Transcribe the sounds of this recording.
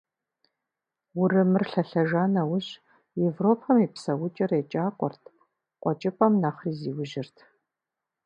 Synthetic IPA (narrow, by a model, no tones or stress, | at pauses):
wʊrɨmɨrɬɐɬɐʒaːnɐwʊɕ | jevroːpʰɐmiːpsɐwʊt͡ʃʼɐret͡ʃʼaːqʷʼɔ̰rtʰ | qʷʼɔt͡ʃʼɪpʼɐmnaːχriːziːwʊʒɪrtʰ